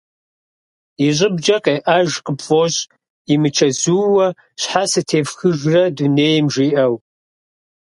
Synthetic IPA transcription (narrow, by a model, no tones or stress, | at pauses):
iɕʼɪbd͡ʒɐqʼeːʔɐʒqəpfʼoɕʼ | imɨt͡ʃʰɐzuːwɐ | ɕħasɨtʰeːvxɨʒrɐduneːjmʒiːʔɐw